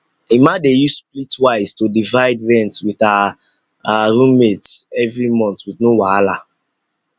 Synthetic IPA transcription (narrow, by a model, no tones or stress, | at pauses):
imadejusplitwaɪstodivaɪdɹɛ̃ntwita | ɾũmetsɛvɹimɔ̃ntwitnowaala